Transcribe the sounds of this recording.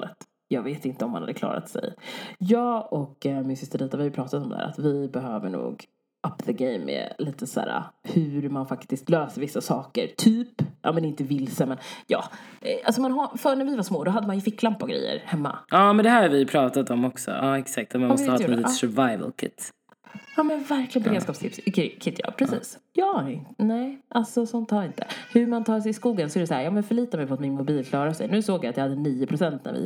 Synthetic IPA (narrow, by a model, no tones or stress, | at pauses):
ət̪ | jɑːɡveːt̪ɪnt̪əɔmːanha̰d̪ːəklɑ̰ːɾa̰t̪sɛ̰jjɑːɔkmɪnsʏst̪əɾiːt̪avɪhajʏpɾɑːt̪at̪ɔmd̪̰hæ̰ːɾa̰t̪vɪbɛɦøːvəɳṵːɡ | ʔapðəɡejmːɛ̰liːt̪əsæ̰ːɾa̰hʉɾmanfakt̪ɪst̪løːsəɾvɪsːasɑːkəɾt̪ʰyːpʔa̰ːmɛnɪnt̪əvɪlːsəmɛnjɑ̰ːalsɔmɛnɦafœɳæɾvɪvaʂmoːd̪ɔɦad̪ːəmanjɵfɪkːlampːɔɡɾɛ̰jːə̰ɾhɛmːa̰ɑːmɛnd̪ɛhæːɾvɪpʰɾɑːt̪at̪ɔmːɔksɔ̰ʔɑːɛksak̚t̪ɔmanmɔstəhɑsɛvajvə̰lkʰɪ̰t̪ː | jɑːmɛnvæɾklɪənbɛɾeːd̪skɑːpst̪ʰɪpsɪkkʰɪt̪ːjɑ̰ːpʰɾɛsiːsjɑːnnɛɪʔalsɔsɔnt̪hɑːɾɪnt̪ə̰hɵɾmant̪ʰɑːʂɛjɪskuːɡənsɔɛɾɛsaæːɾjɑːmɛnfœɭiːt̪amɛjfɔt̪mɪnmʊbiːlkʰlɑːɾasɛ̰jnʉ̟ːsoːɡjaat̪jɑːhad̪ːəniːʊpʰɾʊsɛnt̪næ̰ɾvɪ̰